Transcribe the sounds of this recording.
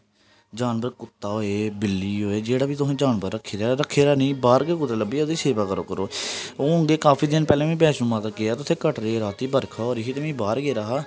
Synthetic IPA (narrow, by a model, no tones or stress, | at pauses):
d͡ʒaːnbəɾkʊt̪ːaːɦoːeːbɪlːiːɦoːeːd͡ʒeːɽaːbiːt̪ʊsẽːd͡ʒaːnbəɾːəkʰːeːɾaːɾəkʰːeːɾaːnĩːbaːɾɡeːkʊt̪eːləbiːod̪iːseːbaːkəɾo̰ːkəɾoːoːõːŋɡeːkaːpʰiːd̪ɪnpɛːlẽːmĩːbɛːʃũːmãːt̪akɪaːt̪ʊt̪ʰeːkəʈɾeːɾaːt̪iːbəɾkʰaoːɾiːɦiːt̪emĩːbaːɾɡeːɾaɦaː